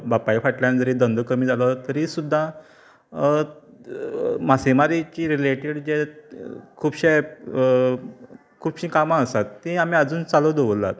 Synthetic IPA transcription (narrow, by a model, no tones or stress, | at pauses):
bapaifaʈljãnd͡zəɾid̪ənd̪əkəmiːd͡zʱalət̪əɾiːsud̪ʱːa | masemaɾit͡ɕiːɾileʈeɽd͡ʑe | kʰuːbɕe | kʰuːbɕĩkamaːsat̪ːĩam̤iːad͡zuːnt͡salod̪oʋəla̰t̪